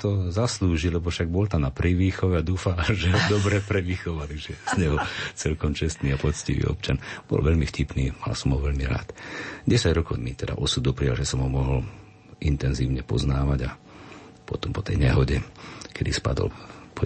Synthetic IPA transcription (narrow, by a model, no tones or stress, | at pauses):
t̪ɔzasluːʒilɛbɔfʃaɡ̚bɔlt̪amnapɾiʋiːxɔʋɛad̪uːfaʒɛɔd̪ɔbɾɛpɾɛʋixɔʋat̪aɡʒɛz̥ɲɛɦɔt͡sɛlkɔmt͡ʃɛst̪niːapɔt͡sciʋḭːɔ̰p̚t͡ʃanb̥ɔ̰lʋɛʎmifcipniːma̰la̰sɔmɦɔʋɛʎmiɾa̰ːt̪ɟɛsaɟɾɔkɔʊmit̪ɛd̪a̰ʔɔsud̪upɾija̰lʒɛsɔmɦɔmɔɦɔl | int̪ɛnziːʊɲɛpɔ̰znaːʋaɟa | pɔt̪ɔmpɔt̪ɛjɲɛɦɔɟɛkʰɛd̪ispa̰d̪ɔ̰lpɔ